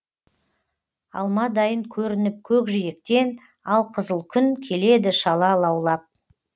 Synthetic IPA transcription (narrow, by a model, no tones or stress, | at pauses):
ɑ̰lˠmɑd̪ɑjəŋkʲʰɵɾɪnɪp̚kʲʰɵkʒɪjek̚t̪e̞n | ɑlˠqʰəzəlˠkʲʰʏnkʲʰe̞le̞d̪ɪʃɑlˠɑlˠɑwlˠɑp̚